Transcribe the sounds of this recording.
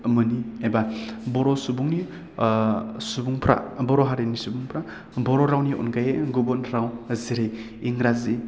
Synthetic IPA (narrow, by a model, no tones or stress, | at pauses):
mɯniejbabɔɾɔsubuŋni | subuŋpʰɾa̰bɔɾɔɦaɾenisubuŋpʰɾa | bɔɾɔɾawniɔ̰nɡajeɡubɔnɾawziɾejː | ŋɾazi